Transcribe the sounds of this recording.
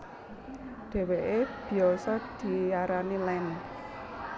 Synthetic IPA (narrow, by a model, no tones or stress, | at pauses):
ɖ̥ɛ̤weʔeb̥i̤ɔsɔd̪̥i̤jaɾanilɛn